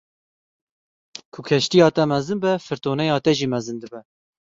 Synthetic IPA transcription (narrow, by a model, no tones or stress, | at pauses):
kʰʊkʰɛʃt̪ijɑːt̪ɛmɛzɨnbɛfɨɾt̪oːnɛjɑːt̪ɛʒiːmɛzɨnd̪ɨbɛ